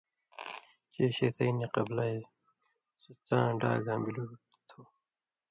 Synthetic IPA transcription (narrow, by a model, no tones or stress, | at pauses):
t͡ɕeːɕeːt̪ʰɐiniqɐblɐe | sut͡sãːɖa̰ːɡʱãːmbilu | t̪ʰo